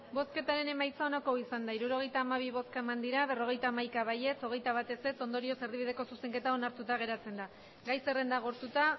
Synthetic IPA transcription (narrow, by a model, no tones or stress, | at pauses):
bo̞ske̞t̪aɾe̞ne̞majt͡sao̞nako̞isand̪aiɾuɾo̞ɣ̞e̞jt̪aːmaβ̞iβo̞skae̞mand̪iɾaβe̞ro̞ɣ̞e̞jt̪aːmajkaβ̞aje̞t͡so̞ɣ̞e̞jt̪aβ̞at̪e̞se̞t͡so̞nd̪o̞ɾio̞se̞rðiβið̞e̞ko̞suse̞ŋke̞t̪ao̞naɾt̪ut̪aɣ̞e̞ɾat͡se̞nd̪a | ɡajse̞re̞nd̪aɣ̞oɾt̪ut̪a